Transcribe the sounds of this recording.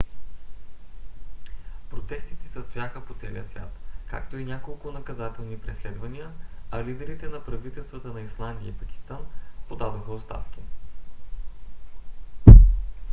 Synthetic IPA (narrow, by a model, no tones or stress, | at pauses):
pɾot̪ɛst̪isisəst̪ojaxəpot̪sɛlḭəsvʲja̰t̪ka̰kt̪oinʲakolˠkʊnɐkɐzat̪ɛlˠnipɾislɛd̪vənijəɐlid̪ɛɾit̪ɛnɐpɾɐvit̪ɛlˠst̪vət̪ənɐislˠand̪ijəipɐkʲi̥st̪anpod̪ad̪oxəot̪st̪a̰fkʲi